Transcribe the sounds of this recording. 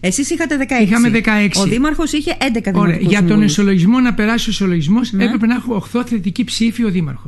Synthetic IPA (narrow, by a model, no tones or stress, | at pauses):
esisixɐt̪e̞ðekɐeixɐmeðekɐeksoiðimɐɾxo̞siçe̞ʔend̪ekɐðoɾeɐʝɐt̪o̞nosolo̞ʝizmo̞nɐpe̞ɾɐsioso̞lo̞ʝizmo̞se̞pɾe̞pe̞nexuoxθo̞θet̪icipsifio̞ðimɐ̰ɾxos